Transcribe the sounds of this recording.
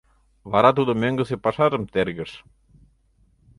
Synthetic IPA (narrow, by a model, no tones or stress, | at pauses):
βɑɾɑt̪̬ud̪ɤ̆møŋɡɘ̆sepɑʃɑɾɤ̆mt̪eɾɡɘ̆ʃ